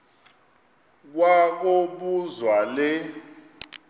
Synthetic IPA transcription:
k̬wak̬oɓuzwalɛ

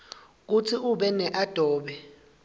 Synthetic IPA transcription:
k̬ut͡sʰiuɓɛnɛʔad̥ʱɔːɓɛ

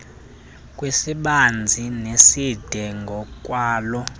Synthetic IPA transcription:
kʼwesiɓand͡zʱinesid̥ʱɛŋɡʱɔkʼwaːlɔ

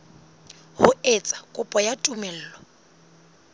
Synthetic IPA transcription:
hʊet͡sʼḁkʼʊpʼɔjatʼumɛl̩ːlɔ

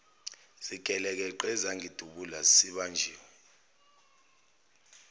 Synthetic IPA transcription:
z̥iɡ̥ʱɛlɛk̬ɛǃɛzaŋʱid̥ʱuɓulasiɓand͡ʒʱiːwɛ

